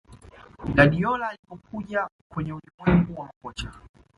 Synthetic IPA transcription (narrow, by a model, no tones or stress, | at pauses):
ɗaɗijɔlaːlipɔk̚ʰuʄakwɛɲɛulimwɛŋɡuwamakɔt͡ʃa